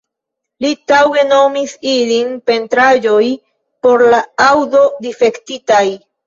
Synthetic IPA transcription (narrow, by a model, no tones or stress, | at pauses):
litawe̞no̞misilinpe̞ntɾad͡ʒo̞j | po̞ɾlaawdo̞dife̞ktitaj